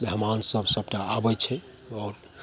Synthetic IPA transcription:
beɦmansəbʱsəb̚ʈaːbɛt͡ʃʰɛ | ɔːɾ

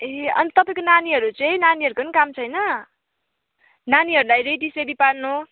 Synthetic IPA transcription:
eʌ̰nit̪ʌpaĩkonaniɦʌɾut͡sʌĩnaniɦʌɾukʌnikamt͡sʰʌjnʌ | naniɦʌɾulajɾejʈisedipaɽnu

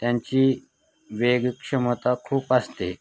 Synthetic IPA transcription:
t̪jãɲt͡ɕiː | ʋeɡkʂəmət̪akʰuːpast̪e

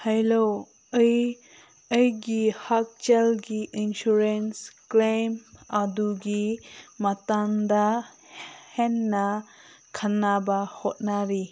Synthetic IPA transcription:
hɛjlo | əj | əjɡihak̚t͡ʃɛlɡiʔinsuɾensklejmaduɡimatand̪a | hɛnːa | kʰanabahɔt̚naɾi

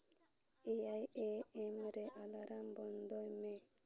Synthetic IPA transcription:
ejajeɛmɾeʔalaɾambɔnd̪ɔjme

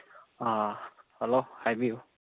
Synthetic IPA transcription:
ahɛlohajmiu

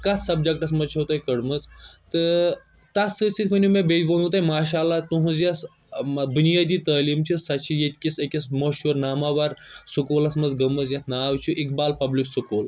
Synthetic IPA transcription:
kɐt̪ʰsɐb̚d͡ʒɐk̚ʈɐsmɐzt͡ʃʰot̪ɐjkɐɽmɐzt̪ɨ | t̪ɐt̪ʰsɨsit̪ʲfɐnʲumẽbeːbonut̪ɐjmaːʃaːlːat̪uɦũzjɐs | mbunijaːd̪iːt̪ɐːliːmt͡ʃʰisɐt͡ʃʰijet̪ʲkʲisekʲɐsmɐʃuːɾnaːmaʋɐɾsukuːlɐsmɐzɡɐmɐzjɐt̪ʰnaːwt͡ʃʰuʔik̚baːlpɐbliksukuːl

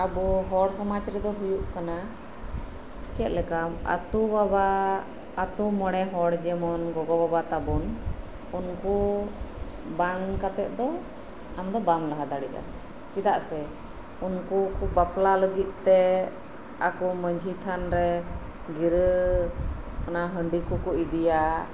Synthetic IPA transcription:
abɔɦɔɽsɔmat͡ʃɾɛd̪ɔɦujuʔkana | t͡ʃɛt̪̚lɛkama̰t̪ubabaː | t̪umɔɽ̃ɛɦɔɽd͡ʒɛmɔnɡɔɡɔbabat̪abɔn | unku | baŋkat̪ɛt̪̚ˀd̪ɔ | amd̪ɔbamlaɦad̪aɽiʔa̰ | kid̪aʔsɛ | unkukubaplaləɡit̪̚ˀt̪ɛ | akɔməɲd͡ʒʱit̪ʰanɾɛ | ɡiɾ | kənaɦəɳɖikukuid̪ija

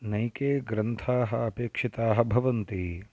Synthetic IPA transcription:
nɐjkeːɡɾɐnt̪ʰaːɦɐɐpeːkʂit̪aːɦɐbʱɐʋɐnt̪i

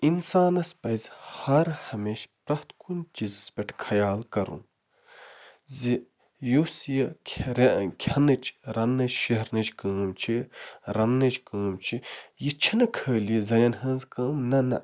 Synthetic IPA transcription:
insaːnɐspɐjzhɐɾhɐmeːʃpɾɐht̪kʰund͡ʒizspʲɐʈʰkʰɐjaːlkɐɾṵn | zi | jusjɐkʰʲɾkʲʰɐnɐt͡ʃɾɐnːɐt͡ʃʃɐɦɾnɐt͡ʃkəːmt͡ʃʰiɾɐnːɐt͡ʃkəːmt͡ʃʰijit͡ʃʰɐnɐkʰəːliizɐlɐnɦɐ̃ːnzkɐːmnɐnɐ

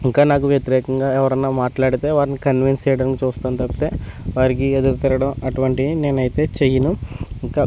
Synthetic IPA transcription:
iŋkaːnaːkuʋjɐt̪iɾɛːkɐŋɡaːɛʋɐɾɐnːaːmaːʈlaːɽit̪e̞ːʋaːɾinikɐnʋinseːjɽɐnkit͡ʃuːst̪aːnt̪ɐpːit̪e̞ːʋaːɾik̬ied̪uɾut̪ɐɾɐɽɐmɐʈuʋɐɳʈine̞ːnɐjit̪e̞ːt͡ʃejɐnuiŋkaː

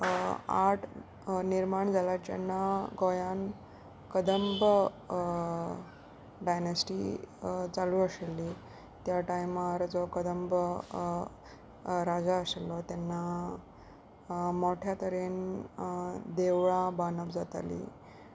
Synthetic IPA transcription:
aʈʰ | niɾmaɳd͡zalat͡ɕa̰nːaɡojan | kəd̪əmb | ɖajnəsʈi | t͡saluːəselːi | t̪jaʈajmaɾd͡zɔkəd̪əmb | ɾad͡zaəselːɔt̪janːa | moʈʰjat̪əɾen | d̪eʋɭãbanəʋd͡zat̪a̰lḭ

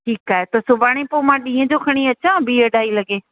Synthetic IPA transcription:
ʈʰiːkaːɦet̪ɐsʊbaːɽ̃ẽpoːmãɗĩːɦə̃d͡ʑokʰɐɽ̃iɐt͡ɕãbiːəɗaːilɐɡeː

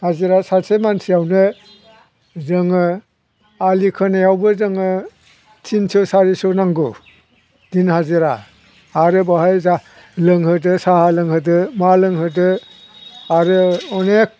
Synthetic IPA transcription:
haziɾasasʰemansijawnɯ | zɯŋɯ | alikʰɯnejawbɯzɯŋɯ | tʰinsɔsaɾisɔnaŋɡu | d̥inhaziɾaː | ɾɯbaɦajza | lɯŋhɯdɯsahalɯŋhɯdɯmalɯŋhɯdɯ | aɾɯɔnek̚

